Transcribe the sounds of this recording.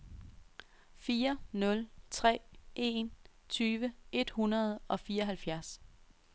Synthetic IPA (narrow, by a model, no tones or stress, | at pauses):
fiːɐnɔ̽lt͡sʰʁɛ̰ːʔe̝n | t͡sʰyːʋəe̝d̥hunɐð̞ˠɒ̽fiːɐɒɦælfjæɐs